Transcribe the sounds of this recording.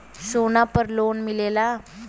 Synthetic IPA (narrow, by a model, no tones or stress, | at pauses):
sonapəɾlonmilela